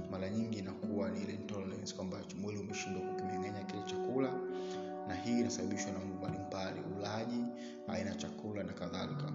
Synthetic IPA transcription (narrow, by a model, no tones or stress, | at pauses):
maɾaɲiŋɡinakuwanilɛntɔlɛɾɛnskwambat͡ʃɔmwɛliumɛʃindwakukimɛŋɡaɲakilɛt͡ʃakula | nahiːnasaɓaɓiʃwanam̩ɡumbalimbalḭulaʄi | a̰inajat͡ʃakulanakaðalika